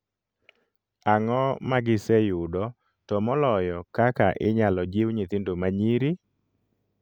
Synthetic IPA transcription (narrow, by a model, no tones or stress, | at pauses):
aŋɔmaɡɪsɛjʊdɔ | tɔmɔlɔjɔkakaʔɪɲalɔd͡ʒɪwɲit̪ɪndomaɲiɾi